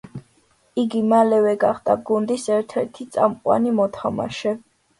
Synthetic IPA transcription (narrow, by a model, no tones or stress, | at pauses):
iɡimalɛvɛɡaχd̪aɡund̪isɛɾt̪ʰɛɾt̪ʰit̪sʼa̰mqʼwa̰nimɔt̪ʰama̰ʃɛ